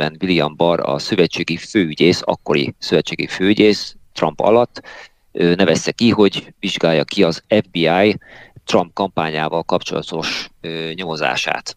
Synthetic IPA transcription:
ɛnvilijɒmbɒrɒ̰søvɛt͡ʃeːɡiføːyɟeːsɒ̰kːo̞ɾḭsøvɛt͡ʃːeːɡḭføːyɟeːst̪rɒmpɒ̰lɒt̪ː | ønɛvɛsːɛkiɦo̞ɟviʒɡaːjːɒkiɒzɛvbiaːjt̪rɒmp̚kɒmpaːɲaːvɒlkɒpt͡ʃo̞̰lɒ̰t̪o̞ʃɲomoza̰ːʃa̰ːt̪

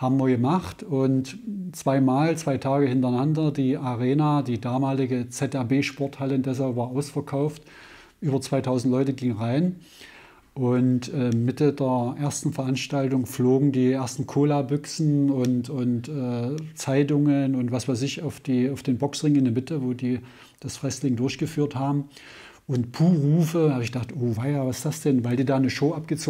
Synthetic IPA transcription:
haːbmviːɐɡəmaχtʊntt͡sv̥aɪmaːlt͡sv̥aɪtʰaːɡəhɪntɐnandɐdiːʔaʁeːnaːdiːdaːmaːlɪɡət͡sɛtɛɐbeːʃpɔɐthaləʊndɛs̬alpvaːɐʔaʊsfɛɐkʰaʊft | ʔyːbɐt͡sv̥aɪtʰaʊzn̩tlɔʏtəɡɪŋənʁaɪn | ʔʊntʔɛːmɪtədeːɐʔeːɐstn̩fɛɐʔanʃtaltʊŋfloːɡŋ̩diːʔeɐstn̩kʰoːlabʏksn̩ʊntʊntɛːt͡saɪt̬ʊŋənʊntv̥asv̥aɪsɪçaʊfd̥iːaʊfd̥eːnbɔksʁɪŋɪndeɐmɪtəvoːdiː | d̥asfʁ̥ɛslɪŋdʊɐçɡ̥əfyːɐthaːbm̩ | ʔʊntpʰuːʁuːfəhaːbəɪçɡ̥əd̥aχtʔoːvaɪavḁsd̥asd̥ɛnvaɪldiːdaːnəʃoːʔap̚ɡ̥ət͡soː

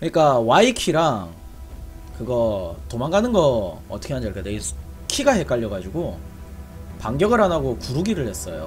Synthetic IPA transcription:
kɯɲik͈awaikʰiɾaŋ | kɯɡʌtomaŋɡanɯnɡʌʌt͈ʌkʰeaɲd͡ʑʌɭk͈edei | kʰiɡaɦe̞k͈aʎːʌɡad͡ʑuɡo | paŋɡjʌɡɯɾɦanaɡokuɾuɡiɾɯɭhe̞s͈ʌjo̰

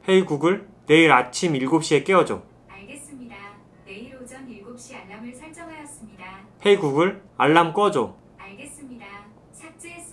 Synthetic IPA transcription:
he̞iɡuɡɯɭne̞iɾat͡ɕʰimiɭɡop̚ɕ͈ie̞k͈eʌd͡ʑo̰ | aɭɡes͈ɯmɲida | neiɾod͡ʑʌniɭɡop̚ɕ͈iaɭːamɯɭsʰaɭt͡ɕ͈ʌŋajʌs͈ɯmɲidahe̞iɡuɡɯɭaɭːamk͈ʌd͡ʑo | aɭɡes͈ɯmɲida | t͡ɕʰak̚t͡ɕ͈e

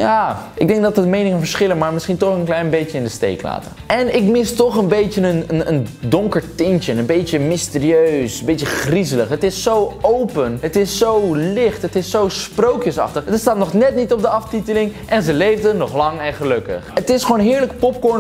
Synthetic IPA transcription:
jaːɪɡ̚dɛŋɡ̚dɑtədmejnɪŋənvəɹsχɪlənmaːɹmɪsχintɔχənklɛjnbejjəɪndəstḛjkla̰ːtə̰ | ɛnɪkmɪstɔχənbejtənənənəndɔŋkəɹtɪnt͡ʃənənbejtəmɪstɪːriøɥsənbejtəχrizələχɦətɪsːowowpənɦətɪsːowlɪχtɦətɪsːowsprowkjəsɑ̰χtəχəəstaːtnɔχnɛtnitɔb̚dəɑftitəlɪŋʔɛnzəlejvdənɔχlɑŋɛnχəlɵkə̰χətɪsχoːnɦɪːɹləkpɔp̚kɔɹ

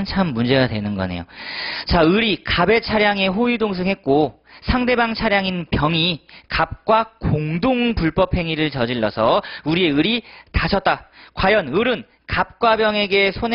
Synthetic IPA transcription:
nt͡ɕʰamːund͡ʑe̞ɡadwe̞nɯnɡʌ̰ne̞̰jo̰t͡ɕaɯɾikabe̞t͡ɕʰaɾjaŋe̞ɸoidoŋs̬ʰɯŋɦet̚k͈o | sʰaŋde̞baŋt͡ɕʰaɾjaŋinpjʌŋikap̚k͈wakoŋdoŋpuɭp͈ʌpʰhe̞ŋiɾɯɭt͡ɕʌd͡ʑiɭːʌ̰sʰʌuɾie̞ɯɾitaɕʰʌt̚t͈akwajʌnɯɾɯn | kap̚k͈wabjʌŋe̞ɡe̞sʰon

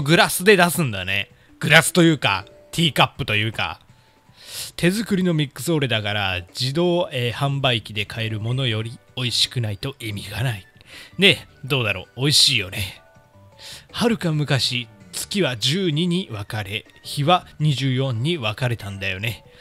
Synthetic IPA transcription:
ɡɯ̟ɾasɨd̪e̞d̪asɨ̃nd̪ane̞ | ɡ̥ɯ̟ɾasɨ̥t̪o̞jɯ̟ːka̰ | t̪ʲʰiːkapːɯ̟t̪o̞jɯ̟ːka̰ | t̪ʰe̞zɨkɯ̟ɾʲino̞mʲikːɯ̟̥so̞ːɾed̪akaɾa̰d͡ʑid̪o̞ːehãmbaikʲid̪e̞kʰae̞ɾɯ̟mo̞no̞jo̞ɾʲio̞iɕi̥kɯ̟nait̪o̞ʔimʲiɡanaine̞d̪o̞ːd̪aɾo̞ːiɕiːjo̞ne | haɾɯ̟kamɯ̟kaɕit͡sɨ̥kʲiβad͡ʑɨːɲ̟iɲ̟iβakaɾe̞ | çiβaɲ̟iʑɨːjõ̞ɲ̟ːiβakaɾe̞t̪ãnd̪ajo̞ne̞

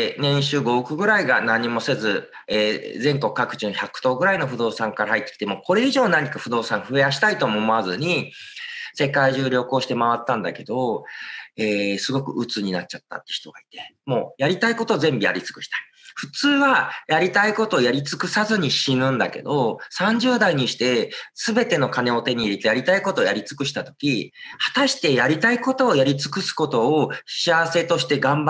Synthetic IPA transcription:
nẽ̞ɕɨːɡo̞ɯkɯ̟ɡɯ̟ɾaiɡanãɲ̟ːimo̞se̞zɨ | eːzẽ̞ŋko̞kɯ̟̥kakɯ̟̥t͡ɕɨ̃ñçakɯ̟̥t̪o̞ːɡɯ̟ɾaino̞ɸɯ̟d̪o̞ːsãŋkaɾahait̪ːekʲi̥t̪e̞mo̞ːko̞ɾe̞iʑo̞ːnaɲ̟ikaɸɯd̪o̞ːsãɰ̃ɸɯ̟e̞aɕi̥t̪ait̪o̞moːmoazɨɲ̟i | se̞kaiʑɨːɾʲjo̞ːko̞ːɕi̥t̪e̞maβat̪ːãnd̪a̰ke̞d̪o̞ | eːsɨɡo̞kɯ̟̰ʔɯ̟t͡sɨɲ̟inat͡ɕ̚t͡ɕat̪ːa̰t̪ːeçi̥t̪o̞ɡai̥t̪e̞mo̞ːjaɾʲit̪aiko̞t̪o̞ːzẽ̞mbija̰ɾʲit͡sɨ̥kɯ̟ɕi̥t̪ḁi̥ | ɸɯ̟̥t͡sɨːβajaɾʲit̪aiko̞t̪o̞ːjaɾʲit͡sɨ̥kɯ̟sazɨɲ̟iɕinɯ̟̃nd̪a̰ke̞̰d̪o̞sãɲ̟d͡ʑɨːd̪aiɲ̟iɕi̥t̪e̞sɨbe̞t̪e̞no̞kane̞o̞t̪e̞ɲ̟iiɾit̪ejaɾʲit̪aiko̞t̪o̞ːjaɾʲit͡sɨ̥kɯ̟ɕi̥t̪at̪o̞kʲihat̪aɕi̥t̪e̞jaɾʲit̪aiko̞t̪o̞ːjaɾʲit͡sɨ̥kɯ̟sɨ̥ko̞t̪o̞ːɕiaβase̞t̪oɕi̥t̪e̞ɡãmb

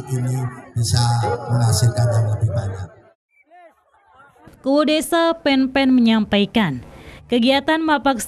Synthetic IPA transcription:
inib̥isaməŋasilkanjaŋlədihbaɲak̚ | kuwodesapɛnpɛnməɲampaikankəɡiat̪anmapaks

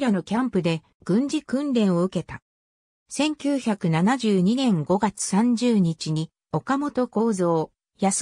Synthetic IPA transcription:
ɾano̞kʲãmpɯ̟d̪e̞ | ɡ̥ɯ̟̃ɲ̟d͡ʑikɯ̟̃nd̪ẽ̞ɰ̃o̞ɯ̟ke̞t̪a | sẽ̞ŋkʲɨːçakɯ̟nanaʑɨːɲ̟inẽ̞ŋɡo̞ɡat͡sɨ̥sãɲ̟d͡ʑɨːɲ̟it͡ɕiɲ̟i | o̞kamo̞t̪o̞ko̞ːzo̞ː | jas

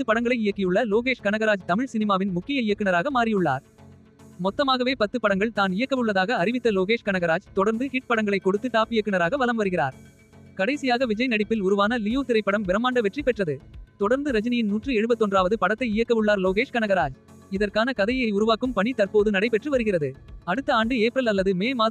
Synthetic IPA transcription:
ɐt̪ːɯpːɐɽɐŋɡɐɭɐɪɪjɐkːɪjɯɭːɐloːɣeːʂkɐnɐɣɐɾaːd͡ʒt̪ɐmɪɻsɪnɪmaːʋɪnmʊkːɪjɐɪjɐkːɪnɐɾaːɣɐmaːɾɪjɯɭːa̰ːɾ | mɔt̪ːɐmaːɣɐʋeːpɐt̪ːɯpɐɽɐŋɡɐɭt̪aːnɪjɐkːɐmɯɭːɐðaːɣɐːɾɪʋɪt̪ːɐloːɣeːʂkɐnɐɣɐɾaːd͡ʒt̪ɔɽɐɾnd̪ɯhɪʈ̚pɐɽɐŋɡɐɭɐɪkːɔɽɯt̪ːɯʈaːpɪjɐkːɯnɐɾaːɣɐʋɐlɐmʋɐɾɯɣɪɾaːɾ | kɐɽɐɪsɪjaːɣɐʋɪd͡ʒɐɪnɐɽɪpːɪlʊɾʊʋaːnɐlɪjoːt̪ɪɾɐɪpːɐɽɐmʋɪɾɐmaːɳɖɐʋɛʈripɛʈrɐðɯt̪ɔɽɐɾnd̪ɯɾɐd͡ʒɐnɪjɪnnuːʈrɯɛɻɯbɐt̪ːɔndraːʋɐðɯpɐɽɐt̪ːɐɪɪjɐkːɐmɯɭːaːɾloːɣeːʂkɐnɐɣɐɾaːd͡ʒ | ɪðɐrkaːnɐkɐðɐjɐɪʊɾʊʋaːkɯmpɐɳit̪ɐrpoːðɯnɐɽɐɪpɛʈrɯʋɐɾɯɣɪrɐðɯɐɽɯt̪ːɐaːɳɖɯeːpɾɐlɐlːɐðɯmeːmaː

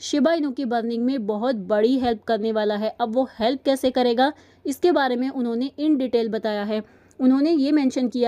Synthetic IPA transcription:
ʃɪbaːɪnõkibəːɾnɪ̃ŋɡmẽbɐɦʊt̪̚bɐɽiɦɛlp̚kɐɾneʋaːlaɦɛːʔɐbʋohɛlp̚kɛːsekɐɾeːɡaː | ɪskebaːɾemẽʔʊnɦõneʔɪɳɖɪʈeːlbɐt̪aːjaɦɛː | ʊnɦõnejemɛ̃ːnʃənkija

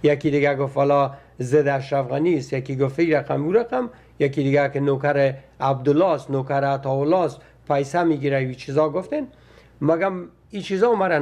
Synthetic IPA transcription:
jakid̪ɪɡaɡofwalɔ | zɪd̪aʃɾafɣanist̪jakiɡʊft̪iɾaqamuɾaqam | jakid̪ɪɡakɪnokaɾɪ | ab̚d̪ʊlɔst̪nokaɾat̪ɔwʊlɔst̪ | pajsamiɡiɾajit͡ʃʰizɔɡʊft̪en | maɡam | it͡ʃizɔmaɾa

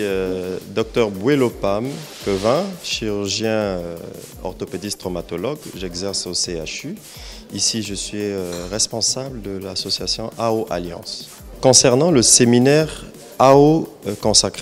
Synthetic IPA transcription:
d̪ɔk̚t̪œʁbwelopamkɔvɛ̃ʃiʁyʁʒjɛ̃ | ɔ̰ʁt̪ɔped̪ist̪χɔmat̪ɔlɔɡʒɛɡzɛʁsoseaʃy | isiʒəsɥiøʁɛspɔ̃sabld̪əlasɔsjasjɔ̃ʔaoʔa̰ljɑ̰̃s | kɔ̃sɛʁnɑ̃ləseminɛʁ | aokɔ̃sakχe

